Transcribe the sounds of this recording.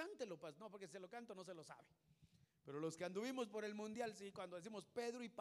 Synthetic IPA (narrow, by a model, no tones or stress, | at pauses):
ant̪elopanopoɾkesiselo̞kant̪ono̞s̬e̞lo̞sa̰βepe̞ɾolo̞skeand̪uβimo̞spo̞ɾe̞lmũnd̪jalsikwand̪o̞ðesimo̞spe̞ðɾoip